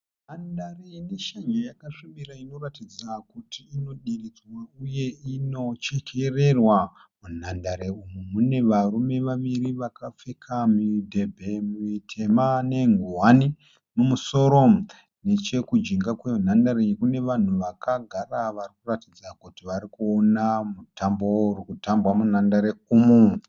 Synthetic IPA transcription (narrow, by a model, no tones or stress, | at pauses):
nandareneʃaɲojakaʂimiɾaino̞ratid͡zakutiːno̞ɗirid͡zwauje̞ino̞t͡ʃekʰere̞rwa | mun̤andaɾeumumune̞ʋaɾume̞ʋaʋiɾiʋakap͡fekʰamudʱe̞bʱe̞mitʰe̞mane̞ŋɡuɦani | numuso̞ɾo̞ | ne̞t͡ʃe̞kud͡ʒiŋɡakweun̤andaɾekune̞ʋan̤uʋakaɡʱaraʋarikuratid͡zakutiʋaɾikuonamutambourikutambwamunandaɾeumu